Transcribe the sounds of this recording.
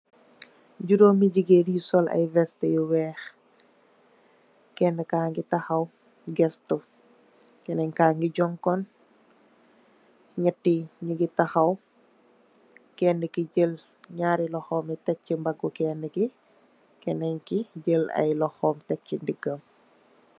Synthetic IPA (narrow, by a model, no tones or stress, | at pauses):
ɟuɾomiɟiɡedjisɔlʔɐ̰jvɛstɛjuwɛːx | kɛndɛkaːŋɡitɐxɐw | ɡɛstɔ | kɛnɛɲkaːŋɡiɟɔŋkɔn | ɲətːiɲiɡitaxɐw | kɛndikiɟəl | ɲaːɾilɔxɔːmitɛk̚cimbaɡɔkɛːndɛki | kɛnɛɲkiɟəlɐ̰jlɔxɔːmtɛk̚cindiɡəm